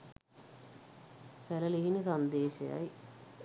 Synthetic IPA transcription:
sɛlɐliɦinisɐnd̪eːʃɐja̰j

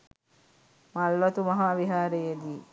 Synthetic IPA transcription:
malʋɐt̪umɐɦaːʋiɦaːɾejed̪iː

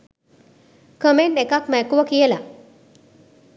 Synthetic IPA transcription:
kəmenːekakmɛkuʋəkijəla

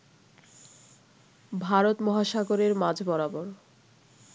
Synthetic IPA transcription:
bʱaɾot̪mɔɦaʃaɡoɾeɾmad͡ʑʱbɔɾaboɾ

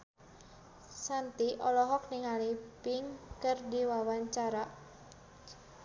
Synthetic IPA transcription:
sant̪iʔɔlɔɦɔk̚niŋalipɪŋkərdiwawaɲt͡ʃaɾa

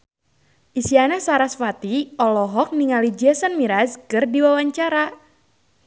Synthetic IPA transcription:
ʔisianasaɾasfat̪iʔɔlɔɦɔk̚niŋalid͡ʒɛsənmiɾaskɨrdiwawaɲt͡ʃaɾa

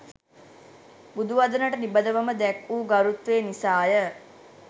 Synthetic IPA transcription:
bud̪uʋad̪ənəʈənibəd̪əʋəməd̪ɛkuːɡaɾut̪ʋeːnisaːjə

